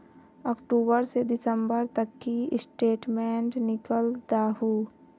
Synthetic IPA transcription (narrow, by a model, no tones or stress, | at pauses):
ɔːkʈuːbəɾsed̪ɪsəmbəɾt̪ɐkːiɪsʈeːʈmẽːɳʈnɪkəld̪aːɦuː